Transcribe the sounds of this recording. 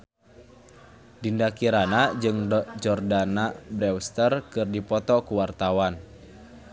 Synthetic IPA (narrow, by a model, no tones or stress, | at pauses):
dindakiɾanad͡ʒɨŋd͡ʒɔrdanabɾɛwst̪ərkɨrdipɔt̪ɔkuwart̪awan